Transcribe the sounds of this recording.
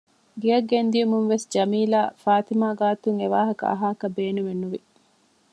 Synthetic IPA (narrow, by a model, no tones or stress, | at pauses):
ɡijɐɡːend̪iumuŋʋesd͡ʒɐmiːlaːfaːt̪imaːɡaːt̪uŋeʋaːɦɐkɐ̰ʔɐ̰ɦaːkɐbeːnumenːuʋi